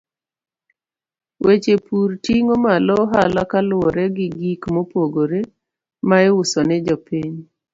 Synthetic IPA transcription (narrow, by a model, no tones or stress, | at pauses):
wʔet͡ʃepurtiŋomalɔɦalakalʊɔɾɛɡɪɡikmɔpoɡoɾe | maɪwʊsɔnɪd͡ʒɔpiɲ